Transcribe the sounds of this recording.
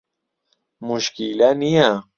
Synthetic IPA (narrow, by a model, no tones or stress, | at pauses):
muʃkilanija